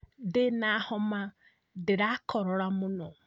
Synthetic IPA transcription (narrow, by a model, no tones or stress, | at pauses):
denahɔma | dɪɾakʰɔɾɔɾamunɔ